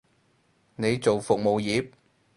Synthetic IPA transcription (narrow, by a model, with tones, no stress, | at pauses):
ne˨˧jt͡so˨wfʊ˨k̚mo˨˩wjiː˨˥p̚